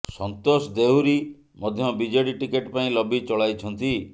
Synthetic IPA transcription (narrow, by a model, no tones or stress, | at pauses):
sɔnt̪osd̪ewɾi | mɔd̪ʱjɔbid͡ʒɔeɽiʈikeʈpaĩlɔbit͡ʃɔɭajt͡ʃʰɔnt̪i